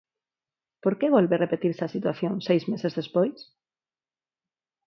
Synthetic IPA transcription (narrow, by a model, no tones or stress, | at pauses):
poɾkeβ̞olβerepet̪iɾsasit̪waθjõnsejzmesezðespojs